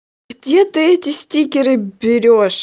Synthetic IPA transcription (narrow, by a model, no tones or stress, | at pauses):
ɡdʲet̪ɨɛtʲɪsʲtʲikʲɪɾɨbʲɪɾʲoʂ